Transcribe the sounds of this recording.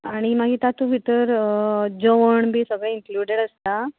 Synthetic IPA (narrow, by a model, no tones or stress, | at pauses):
aɽ̃imaɡiːt̪at̪ũʋʱit̪əɾd͡ʑoʋəɳbʱiːsəɡɭẽiŋkluɖeɽəst̪a